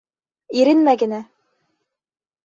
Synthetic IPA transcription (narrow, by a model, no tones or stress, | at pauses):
iɾɘnmæɡɘ̆næ